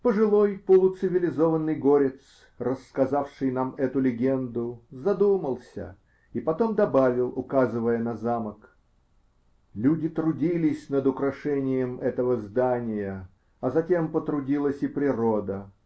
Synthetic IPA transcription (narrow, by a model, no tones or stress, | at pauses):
pəʐɨlˠo̞jpəlˠʊt̪sɨvʲɪlʲɪzovənːɨjɡoɾʲɪt̪s | rəskɐzafʂɨjnamɛt̪ʊlʲɪɡʲend̪ʊzɐd̪uməlˠsʲə̰ | ipɐt̪o̞md̪ɐbavʲɪlˠʊkazɨvəjənɐzamək | lʲudʲɪt̪ɾʊdʲilʲɪsʲnəd̪ʊkɾɐʂɛnʲɪjəmɛt̪əvəzd̪anʲɪjə | ɐzɐtʲe̞mpət̪ɾʊdʲilˠəsʲɪpɾʲɪɾod̪ə